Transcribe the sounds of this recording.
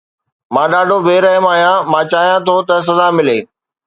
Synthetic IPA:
mãːɗaːɖʱobʱeːɾɐɦəmaːɦijãmãːt͡ɕaːɦijãt̪ʰot̪ɐs̬ɐzamɪleː

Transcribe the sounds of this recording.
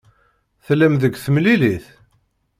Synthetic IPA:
θlːæmðəɡʷθəmliliθ

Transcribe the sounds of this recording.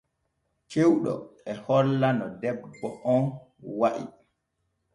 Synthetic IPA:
t͡ʃewɗɔ̰ɛhɔlːanɔdɛbːɔʔɔn | waʔḭ

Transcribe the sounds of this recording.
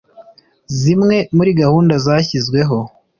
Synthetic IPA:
zimŋe̞muɾiɡahuːndazaːçizɡwe̞ɦo̞

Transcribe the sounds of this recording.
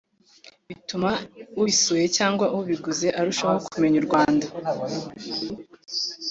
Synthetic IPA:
βitumauβisuje̞caːŋɡwaʔuβiɡuze̞ʔaɾuʃaho̞kume̞ɲuɾɡwaːnda

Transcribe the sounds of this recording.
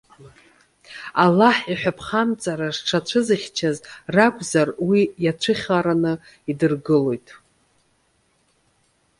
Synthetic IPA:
alaħiħʷᶣapʰχamt͡sʼaɾaʐʈ͡ʂʰat͡ɕʷʰɨzɨχʲt͡ʃʰazrakʷʰʼzarwijat͡ʃʷʰɨχʲaɾanɨ | idɨrɡɨlo̞jtʼ

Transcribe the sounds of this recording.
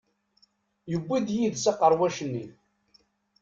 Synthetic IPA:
jəbːiðjiðsaqːəɾˤwæʃənːi

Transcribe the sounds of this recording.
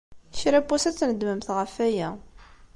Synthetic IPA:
ʃɾæpːusæt͡sːnəd̪məmθʁəfæjæ

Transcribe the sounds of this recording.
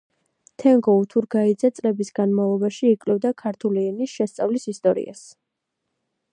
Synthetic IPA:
t̪ʰɛŋɡɔut̪ʰuɾɡaid̪zɛt̪sʼlɛbisɡanmavlˠɔbaʃiːkʼlɛvd̪akʰaɾt̪ʰuliɛnisʃɛst̪sʼavlisist̪ʼɔɾḭa̰s

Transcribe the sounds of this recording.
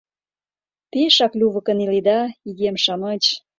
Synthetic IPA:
peʃɑklʲuβə̆kə̆nilid̪ɑiɣemʃɑmət͡ɕ

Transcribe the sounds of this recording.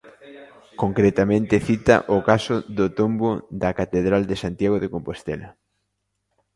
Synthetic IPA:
koŋkɾet̪amẽnt̪eθit̪ɐ̰ʔʊkasʊðʊt̪omboðɐkat̪eðɾald̪esant̪jaɣ̞oðekompost̪elɐ

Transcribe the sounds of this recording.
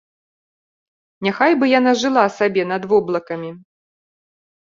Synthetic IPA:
nʲaxajbɨjanaʐɨlˠasabʲɛn̪ɐd̪vɔblˠɐkɐmʲi

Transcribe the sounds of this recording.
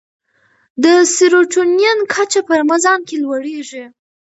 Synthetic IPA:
d̪əsiɾoʈonjankʰat͡ʃapəɾmazɑnkelwaɽeʐi

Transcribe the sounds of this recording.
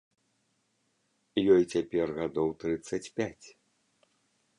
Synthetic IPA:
jɔjt͡sʲapʲɛrɣad̪ɔwt̪ɾɨt̪sːɐt͡sʲpʲat͡sʲ

